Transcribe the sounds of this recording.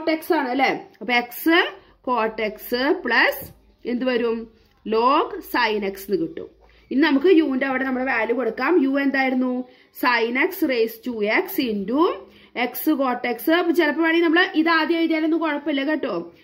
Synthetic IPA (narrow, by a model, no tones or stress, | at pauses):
oʈːeksaːɳɐlːeɐpːoeksɨ | ko̞ːʈːeksɨpɭɐs | e̞nd̪uʋɐɾum | loːkɨsɐjneksɨnikiʈːṵm | ininɐmukːɨjuːndeɐʋiɽe̞nɐmːuɽeʋaːluko̞ɽukːaːmjuːe̞nd̪aːjiɾunːu | sɐjneksɨrejstuːeksindu | e̞ksɨko̞ːrʈːeksɨɐpːot͡ɕelɐpːɐmɐːɳinɐmːɐɭeʔiðaːd̪jɐʋit̪ijaːlonːuko̞ɻɐpːilːekeʈːoː